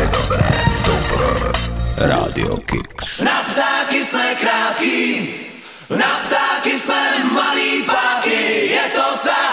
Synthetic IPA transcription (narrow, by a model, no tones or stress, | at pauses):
d̪obɾɛ̰d̪opɾɔ | ɾaːd̪ɪ̰okɪksnapt̪aːkɪsmɛkɾaːt̪kiː | napt̪aːkɪsmɛmaliːpaːkɪjɛt̪ot̪a